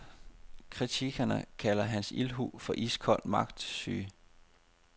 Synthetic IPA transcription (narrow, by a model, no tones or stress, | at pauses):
kʰʁit͡sʰiɡ̥ɐnəkʰælɐɦænsḭlɦṵːfɒ̽ʔiskʰɒ̽l̰̥mɑ̈ɡ̥d̥sy̰ː